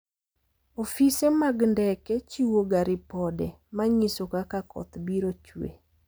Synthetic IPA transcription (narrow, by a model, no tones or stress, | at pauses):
ofisemaɡndɛkɛt͡ʃiwoɡaɾɪpɔdɛ | maɲisokakakɔ̰t̪biɾot͡ʃwḛ